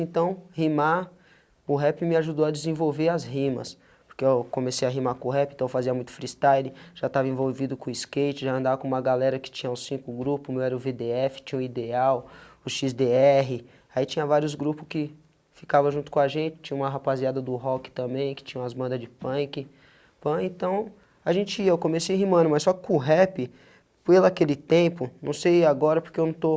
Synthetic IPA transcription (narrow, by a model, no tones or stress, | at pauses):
ẽnt̪ɐ̃w̃hima | ʊɦɛpɪmɪaʒud̪oɐd͡ʒɪzẽvowveɾɐzɦĩmɐ̰s | poɾkeewkõmesejaɦimakõʊɦɛpĩẽt̪ɐ̃w̃wofaziɐmũj̃t̪ʊfɾist̪ajdɪʒ̥at̪avɐẽvowvid̪ʊkõiskejt͡ʃɪʒaɐ̃nd̪avɐkõũmɐɡalɛɾɐkɪ̥t͡ʃĩɲɐʊsĩkʊɡɾupʊmewɛɾɐʊved̪eɛfɪ̥t͡ʃĩɲɐ̃ʊ̃id̪eawʊʃizd̪eɛɦɪ | ait͡ʃĩɲɐ̃vaɾjʊzɡɾupʊskɪ | fikavɐʒũt̪ʊ̥kõaʒẽnt͡ʃɪ̥t͡ʃĩɲɐ̃ũmɐɦapaziad̪ɐd̪ʊɦɔkɪ̥t̪ɐ̃mbẽj̃kɪ̥t͡ʃĩɲɐ̃ɐzbɐ̃nd̪ɐzd͡ʒɪpɐ̃kɪ | pɐ̃ẽt̪ɐ̃w̃ | aʒẽnt͡ʃɪiɐewkõmesiɦimɐ̃nʊmɐsɔkɪkʊ̃ɦɛpɪ | pelakelɪt̪ẽpʊnɐ̃w̃sejaɡɔɾɐpʊɾkeewnɐ̃w̃t̪o